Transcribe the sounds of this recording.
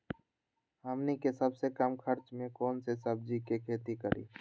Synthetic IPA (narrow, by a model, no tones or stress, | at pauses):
ɦəmnikesəbsekəmkʰəɾt͡ʃmẽkɔːnsesəb̚d͡ʒikekʰeːt̪ikəɾʔḭː